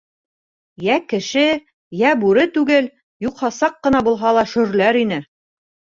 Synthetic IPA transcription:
jækɘ̆ʃɘ | jæbʉɾɘt̪ʉɡɘl | juqhɑsɑqːɤ̆nɑbulˠɦɑlˠɑʃɵ̆ɾlæɾinɘ

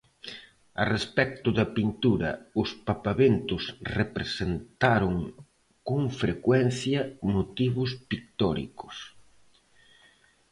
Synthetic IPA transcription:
ɐ̰respɛk̚t̪ʊðɐpint̪uɾɐ̰ʊspapaβent̪ʊsrepɾesent̪aɾʊŋ | koŋfɾekwɛnθjɐmot̪iβʊspik̚t̪ɔɾḭkʊ̥s

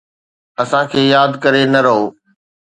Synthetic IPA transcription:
ɐsãkʰeːjaːd̪kɐɾenɐɾɐɦoː

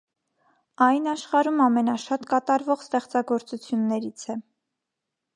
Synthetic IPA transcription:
ɑjnɑʃχɑɾumɑmɛnɑʃɑt̪kɑt̪ɑɾvɔʁst̪ɛχt͡sɑɡɔɾt͡sut͡sʰjunːɛɾit͡sʰɛ

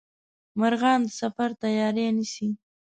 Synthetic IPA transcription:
maɾɣɑːnd̪əsafaɾt̪ajɑɾenisi

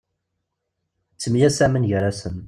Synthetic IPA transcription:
t͡sːəmjæsæmənʝɾasən

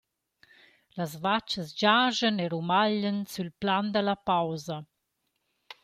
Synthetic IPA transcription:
lazvat͡ʃəzd͡ʒaːʒəneɾumaʎənsylpland̪əlapawza

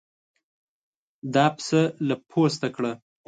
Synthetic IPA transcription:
d̪ɑpsəlapʰost̪akɽa

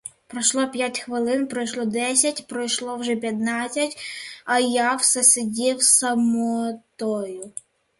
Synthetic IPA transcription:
pɾɔʃlˠɔpʲjatʲxʋɪlˠɪnpɾɔjʃlˠɔd̪ɛsʲɐtʲpɾɔjʃlˠɔwʒɛp̬ʲjɐt̪nɑt͡sʲːɐtʲɐjɑwsɐsɪdʲiwsɐmɔt̪ɔjʊ

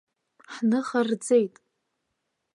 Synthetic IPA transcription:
ħnɨχard͡ze̞jtʼ

